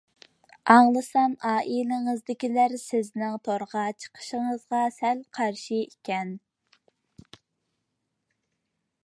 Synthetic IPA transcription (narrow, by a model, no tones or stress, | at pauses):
ɑŋlˠəsɑmɑːʔilɪŋəzd̪ɪkʲilæɾsɪznɪŋt̪ʰoɾʁɑt͡ʃʰə̥qʰə̥ʃəŋəzʁɑsɛlqʰɑɾʃiikʲʰɛn